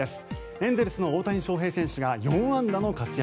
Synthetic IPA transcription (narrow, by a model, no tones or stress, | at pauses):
esɨ̥ | ẽ̞nd̪eɾɯsɨno̞oːt̪aɲ̟ĩɕo̞ːɦe̞ːsẽ̞ɰ̃ɕɨɡajõɰ̃ãnd̪ano̞kat͡sɨja